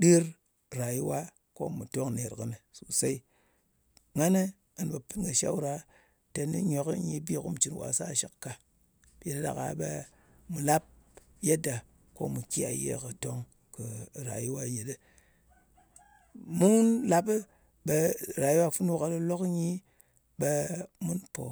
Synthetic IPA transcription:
ɗi˦ɾ | ɾa˨ji˦wa˦ | ko̰˦mu˨to˦ŋne˨ɾkɨ̰˦nɨ˨su˨sa˦i˦ | ŋa˦ne˦ | a˨n˨ɓa˨pi˦nɡa˨ʃa̰˦wɾa˨ | te˨nḭ˦ɲo˨kə˦ɲi˦bi˦˨kṵ˦m˨t͡ʃi˨n˨wa̰˨sa˦˨ʃi˨kkːa˨ | bi˨da˦da̰˨ka̰˨˦ɓe˦ | mu˨la˦p̚je˦da˨ | ko̰˦mu˨kʲi˦a̰˨jḛ˦kɨ˨to˦ŋ | kɨ˨ɾa̰˨ji˦wa˦je˨ɗe˦ | mu˦nla˦pɨ˦ | ɓe˧˨ɾa˨ji˦wa˦fu˦n˦wo˦ka˨˦lo˦lo˦kɲi˦ | ɓe˧mu˦npo˨

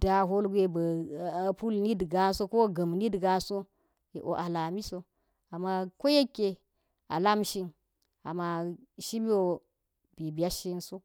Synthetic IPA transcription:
d̥a˦ɦo˦lɡʷe˦ba˨pu˦lni˦dɡa˦so˦ko˦ɡɐ˨mni˦dɡa˦so˦ | e˨ʔo̰˨ʔa˨la˨mi˦so˦ | a˨mːa˦ko˦je˦kʲːe˨ | a̰˨la˦mʃi˦n | a̰˨ma˨ʃi˦mi˦wo˨ | bi˨bi˨ja˦ʃi˦nso˦

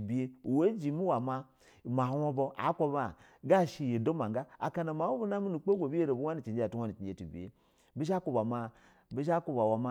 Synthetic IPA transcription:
bi˨je˦˨we˦d͡ʒi˨mi˦wa˨ma˦˨ | ma˨˦wo˦bo˦ʔa̰˨˦ko˦ba˦˨ | ɡa˦˨ʃi˦je˨do˦ma˨ŋ˦ɡa˦a̰˨ka˨na˨ma˨˦o˦bo˦na˦mi˦nu˨k͡po˦ɡʷo˨bi˦je˦ɾo˨bu˦wa˦ni˨t͡ʃi˨nd͡ʒe˦a˨tu˦a˦ni˨t͡ʃi˨d͡ʒe˦ti˨bḭ˨jḛ˦ | bi˦ʃ̬a˦ko˨ba˨ma˨ | bi˦ʃ̬a˦kʷo˦˨ba˨wa˨ma˦

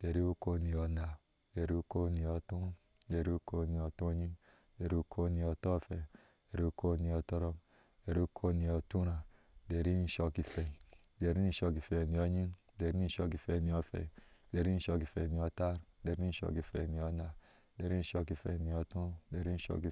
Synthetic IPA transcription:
d̥e˨ɾi˦u˦ko˦ni˨ɔ˨na˨ | de˨ɾi˦u˦ko˦ni˨o˨tũ˦ | de˨ɾi˦u˦ko˧ni˨o˨tũ˦˧˦ɲi˦ | de˨ɾi˦u˦kʰo˦ni˨ɔ˨to˦˨fɛ˨ | de˨ɾi˦u˦kʰo˦n˨˧ɔ˨to˦ɾɔ˧ | de˨ɾi˦u˦kʰo˦ni˨o˨tũ˦ɾa˨ | de˨ɾi˦n̩˦ʃɔ˧ki˨fe˨ | de˨ɾi˦n̩˦ʃo˧ki˨fe˨ni˨o˧ɲi˦ | de˨ɾi˦i˦ʃo˧ki˨fe˨ni˨o˧fɛ̰˨de˨ɾi˦n̩˦ʃo˧ki˨fe˨ni˨ɔ˧ta˦ɾde˨ɾi˦ʃo̰˧˨ki˨fḛ˨ni˨o˧na˨ | de˨ɾi˦n̩˦ʃo˧ki˧fḛ˨ni˨ɔ˨tũ˦de˨ɾi˦ʃɔ̰˧ki˨

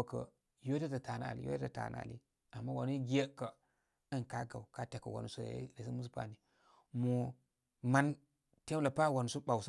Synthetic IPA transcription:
kə̰˨ | jo˦te˦ta˨ta˨na˦a̰˨lḭ˦jo̰˦a˨ta̰˨na̰˦a̰˨lḭ˦ | a˨mːa˦wa˨nu˦ɡi˦je˦kə˨ | ə˦nka˦ɡa̰˨wka˦te˨kːə̰˨wa̰˨nu˨sṵ˦˨˦ɾe˨si˦mu˦su˦pa̰˦˨ni˨ | mu˨ | ma˦n | te˦la˨pa˦˨wa˨nu˨su˦ɓa˨ws

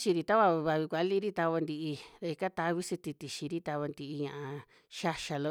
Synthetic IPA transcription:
t͡ʃi˧ɾi˧t̪a˦βa˧βa˧βi˧kʷa˨˦li˦ɾi˦t̪a˧βa˧nd̪i˧ʔi˧ða˧i˧ka˦t̪a˧˦βi˦si˧t̪i˧t̪i˨ʃi˧ɾi˦t̪a˧βa˧nd̪i˧ʔi˧ɲã˧ʔa˧ | ʃa˧ʃa˧lo˧

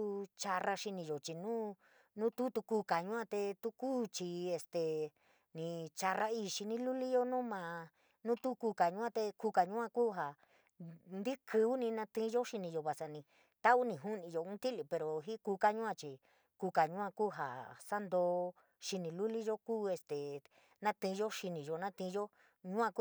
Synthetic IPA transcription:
u˦t͡ʃa˧ra˧ʃi˧nĩ˧jo˨t͡ʃi˧nũ˦ | nũ˦t̪u˦t̪u˧ku˧˦ka˨ɲũ˦ã˧t̪e˧t̪u˦kuː˦t͡ʃi˧e˧st̪e˨ | nĩ˧t͡ʃa˧ra˦i˧ʃi˧nĩ˧lu˦li˦jo˦nũː˦mã˨˧ | nũ˦t̪u˦ku˧ka˨ɲũ˦ã˦˧t̪e˧ku˧ka˨ɲũ˦ã˧kuː˦ɦa˨ | nd̪i˦kʰɨ˧˦u˦nĩ˧nã˧t̪ĩ˦˧˦ʒo˦ʃi˧nĩ˧jo˧βa˨sa˧nĩ˧ | t̪a˦u˦nĩ˧ɦu˦nĩ˧jo˧ũ˦t̪i˦li˧pe˧ɾo˨ɦi˦ku˧ka˦ɲũ˦ã˧t͡ʃi˧ | ku˧ka˨ɲũ˦ã˧kuː˦ɦa˨sa˦nd̪oː˧ | ʃi˧nĩ˧lu˦li˦ʒo˦kuː˦e˧st̪e˨ | nã˦t̪ĩ˧ʒo˦ʃi˧nĩ˨ʒo˧nã˦t̪ĩ˧ʒo˦ | ɲũ˦ã˧k

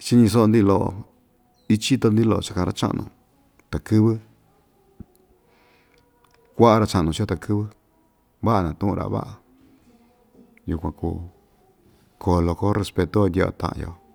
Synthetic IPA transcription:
t͡ʃi˦ɲĩ˧s̬o˦o˧nd̪i˦˧lo˧ʔo̰˧ | i˦t͡ʃi˦t̪o˧nd̪i˦lo˧˨o˧t͡ʃḁ˦˧kã˧ɾa˧t͡ʃa̰˦ʔnũ˧˨ | t̪a˨kɨ˦βɨ˦ | kʷa˦ʔa˧ɾa˧t͡ʃa˧ʔnũ˧t͡ʃi˧˦o˦˧t̪a˨kʰɨ˦βɨ˦ | βa˦ʔa˧nã˨t̪ũ˦ʔũ˧ɾʔa̰˨βa̰˦ʔa˨ | ju˧kʷã˧kṵː˧ | kʰo˧lo˧ko˦re˧spe˧t̪o˧˦o˧ndʲe˧o̰˧t̪ã̰˧ʔã̰˧jo̰˧˨

